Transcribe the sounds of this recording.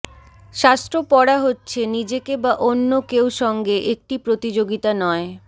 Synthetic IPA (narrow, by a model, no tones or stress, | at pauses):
ʃast̪ɾopɔɽaɦotːɕʰenid͡ʑekebaʔonːokewʃɔŋɡeʔek̚ʈipɾot̪id͡ʑoɡit̪anɔe